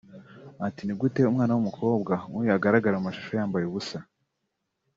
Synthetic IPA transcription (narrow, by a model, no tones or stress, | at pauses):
atiniɡute̞umŋaːnawumukʰo̞ːbɡaŋujaɡaɾaɡaɾaumaʃu̥ʃo̞jaːmbajeβusa